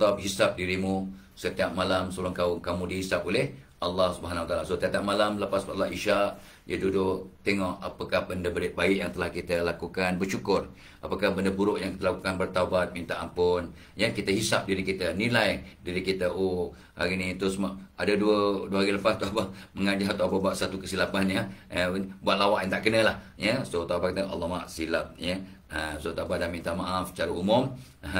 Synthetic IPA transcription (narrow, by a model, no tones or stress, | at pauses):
t̪p̚ɦisap̚diɾimu | sət̪iap̚malamsolʊŋkaʊŋkamũdiɦisap̚olɪhʔalːɑhsubəɦanawat̪alasot̪iat̪iap̚malamləpasalːaʔiʃaʔ | jədudʊʔt̪eŋɔʔapakahbəndəbəɾɪʔ̚baɪʔjaŋt̪əlahkit̪əlakukanbərt͡ʃukʊr | ʔapakahbəndəbuɾʊʔjaŋkit̪əlakukanbərt̪aubat̪̚mint̪aʔampʊn | jəkit̪əɦisap̚diɾikit̪ənilajdiɾikit̪əʔo | haɾinit̪usəmaʔadaduəduəaɾiləfast̪uabaməŋad͡ʒaɦt̪uababuaʔ̪̚sat̪ukəsilapanjəəbuat̪̚lawaʔjãŋt̪aʔkənəlah | jəsot̪aubaʔ̚kit̪əʔa̰lːɔhmaaʔsilap̚jə | əsot̪aubat̪̚damint̪amaʔaft͡ʃaɾəumʊm